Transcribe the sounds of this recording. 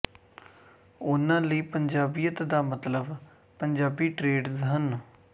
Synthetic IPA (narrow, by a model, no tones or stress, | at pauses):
ʊnãːləiːpəɲd͡ʒaːbijət̪d̪aːmət̪ləb | pəɲd͡ʒaːbiːʈɾeːɖzɦən